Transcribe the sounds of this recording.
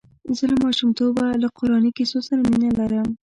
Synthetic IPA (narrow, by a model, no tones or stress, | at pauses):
zəlamɑʃumt̪obalaqʊɾɑnikesosaɾaminalaɾəm